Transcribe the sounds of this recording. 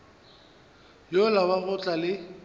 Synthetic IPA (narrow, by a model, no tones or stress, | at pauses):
jolabaɣʊt͡ɬʼalɪ